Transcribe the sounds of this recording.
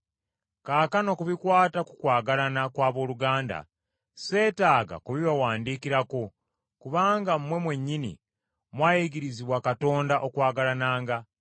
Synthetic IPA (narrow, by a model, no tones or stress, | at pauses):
kaːkano̞kuβikwaːtakukwaːɡalanakwaːβo̞ːluɡaːnda̰ | se̞ːtaːɡa̰kuβiβawaːndiːkiɾako | kuβaːŋɡam̩mːwe̞mwe̞ɲːinḭ | mwaːjiɡiɾiziβwakato̞ːndaʔokwaːɡalanaːŋɡa